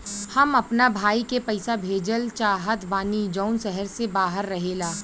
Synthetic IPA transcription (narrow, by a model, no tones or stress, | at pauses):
hɐmɐpnabʱaːikepɐɪsabʱeːd͡ʒəlt͡ʃaːɦət̪baːnid͡ʒaːnsɛɦəɾsebaːɦəɾːɐɦeːlaː